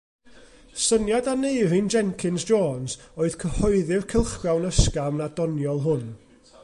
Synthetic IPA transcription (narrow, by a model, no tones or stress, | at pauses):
sənjadaneɨrind͡ʒɛŋkʰɪnzd͡ʒɔːnzoːɨðkʰəhɔɨðɪrkʰəlˠχrawnəskamnadɔnjɔlˠɦʊn